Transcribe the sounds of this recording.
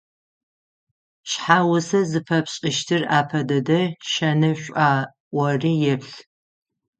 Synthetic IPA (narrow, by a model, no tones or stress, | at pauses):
ɕħaːwʊsɐzɨpʰɐpɕʼɪʃtʰɨraːpʰɐdɐdɐʃɐnɨɕʷʼaː | ʔʷɔriːjɛpɬ